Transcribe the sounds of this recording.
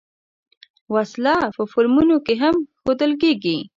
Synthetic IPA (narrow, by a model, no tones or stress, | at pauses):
waslɑpəfoɾmunokeɦamxod̪əlk̬eɡi